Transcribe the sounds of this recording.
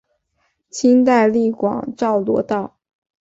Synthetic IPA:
t͡ɕʰi˥nt̪a˥˧ɪli˥˩kwɑ̰˨˩˦ŋʈ͡ʂɑ˥˩ʊlwɔ˥t̪ɑ˥˩ʊ

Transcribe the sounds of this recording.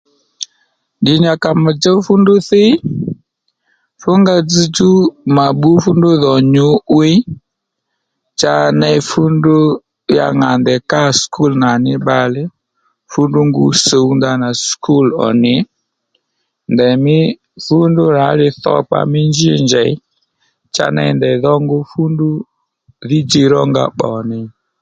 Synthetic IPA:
ndi˨ɲa˨ka˨ma˨d͡ʒɛ˦u˦fu˦ndu˦θi˦ | fu˦ŋɡa˦d͡zi˦t͡ʃu˦ma˨ɓu˦fu˦ndu˦ðɔ˨ɲu˦wi˦ | t͡ʃa˨nɛ˦i˨fu˦ndu˦ | ja̰˨ŋa˨ndɛ˨ka˦sku˦lna˨ni˦ɓa˦lɛ˦ | fu˦ndu˦ŋɡu˦so˨u˦nda˧na˨skʰu˦˨lɔ̰˨nɪ˨ | ndɛ˨mɪ˦ | fu˦ndʊ˦ɾa˨˦ɾɪ˧θɔ̰˦k͡pa̰˦mɪ˦nd͡ʒi˦˨nd͡ʒɛ˨˦ | t͡ʃa̰˦nɛ̰˧i˦ndɛ˨ðɔ˦ŋɡʊ˦fu˦ndʊ˦ | ðɪ˦d͡ʒi˧ɾɔ˦ŋɡa̰˦˨ɓɔ˨nɪ˨

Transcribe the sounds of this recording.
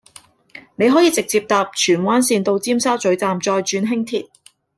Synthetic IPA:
ne˨˧jɦɔː˨˥jiː˨˧t͡sɪ˨k̚t͡siː˧p̚t̪aː˨p̚t͡ʃʰyː˨˩nwaː˥nsiː˧nt̪o˧wt͡siː˥msaː˥wt͡ʃɵ˨˥ɥt͡saː˧mt͡ʃɔː˧jt͡ʃyː˧nɦɪ˥ŋt̪ʰiː˨t̚

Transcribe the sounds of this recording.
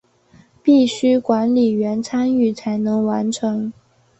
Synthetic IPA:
pi˥˩ɕy˥kwa˧˥nli˨˩ɥɛ˧˥nt͡sʰa˥ny˥˩t͡sʰa˧˥ɪnɤ˧˥ŋwa˧˥nʈ͡ʂʰɤ˧˥ŋ

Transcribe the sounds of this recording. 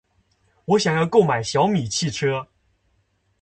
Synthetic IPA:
wɔ˧˥ɕjɑ˨˩ŋjɑ˥˧ʊko˥˩ʊma˨˩ɪɕjɑ˧˥ʊmi˨˩t͡ɕʰi˥˩ʈ͡ʂʰɤ˥

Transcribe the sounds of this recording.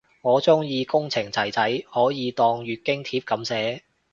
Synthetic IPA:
ŋɔː˨˧t͡sʊ˥ŋjiː˧kʊ˥ŋt͡sʰɪ˨˩ŋt͡sɐ˨˩jt͡sɐ˨˥jhɔː˨˥jiː˨˧t̪ɔː˧ŋɥyː˨t̚kɪ˥ŋt̪ʰiː˧˥p̚kɐ˨˧˥msɛː˨˥

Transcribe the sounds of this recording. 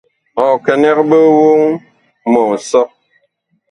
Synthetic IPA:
ɔ˨kə˨nɛ˦kbə˦wo˦ŋ | mɔ˨ŋ̩˨sɔ˦

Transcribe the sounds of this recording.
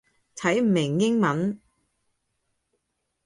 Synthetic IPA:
t̪ʰɐ˨˥jm̩˨˩mɪ˨˩ŋjɪ˥ŋmɐ˨˥n

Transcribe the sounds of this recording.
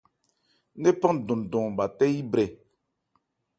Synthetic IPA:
ne˦pã˦n˨dũ˨n˨dũ˨ba˨tɛ˦ji˦bɾɛ˨

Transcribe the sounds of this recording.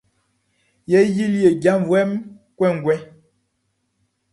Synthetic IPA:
jɛ˨˦ji˦le˨ɡja˦m˨vwɛ˦m | kwɛ˦˨ŋ˨ɡwɛ˦

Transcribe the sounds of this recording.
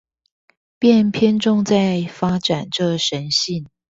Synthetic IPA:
pjɛ˥˨npʰjɛ˥nʈ͡ʂʊ˥˧ŋt͡sa˥˩ɪfa˥ʈ͡ʂa˨˩nʈ͡ʂɤ˥˩ʂə˧˦˥nɕi˥˩n

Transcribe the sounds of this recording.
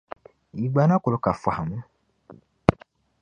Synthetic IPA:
i˨ɡ͡ba˨nã˦ko˨lo˨˦ka˨fʷa˨a˨mũ˦

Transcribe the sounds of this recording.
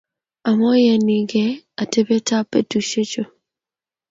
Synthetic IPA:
a˨mɔ˦jɛ˨ni˨ɡɛ˦a˨te˦be˦ta˦pɛ˦tu˨ʃe˦t͡ʃo˨

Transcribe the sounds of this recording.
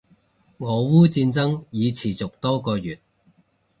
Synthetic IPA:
ŋɔː˨˧wuː˥t͡siː˧nt͡sɐ˥ŋjiː˨˧t͡sʰiː˨˩t͡sʊ˨k̚t̪ɔː˥kɔː˧jyː˨˩t̚

